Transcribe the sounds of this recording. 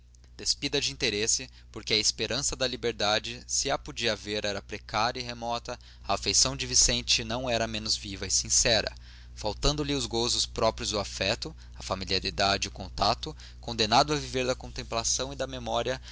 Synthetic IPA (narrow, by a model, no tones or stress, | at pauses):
d̪̥espid̪ɐd͡ʒɪĩnt̪eɾesɪ | poɾkɪɐɪspeɾʔɐ̃sɐd̪ɐlibeɾd̪ad͡ʒɪsɪapod͡ʒiɐveɾɛɾɐpɾekaɾjɐiɦemɔt̪ɐ | ɐːfejsɐ̃w̃d͡ʒɪvisẽnt͡ʃɪnɐ̃w̃ɛɾɐmẽnʊzvivɐisĩsɛɾɐ̰ | fawt̪ɐ̃nd̪ʊlɪʊzɡozʊspɾɔpɾiʊzʊafɛt̪ʊ | ɐfamiliaɾid̪ad͡ʒɪʊkõnt̪at̪ʊ | kõnd̪enad̪ʊɐviveɾd̪ɐkõnt̪ẽmplasɐ̃w̃ɪd̪ɐmemɔɾiɐ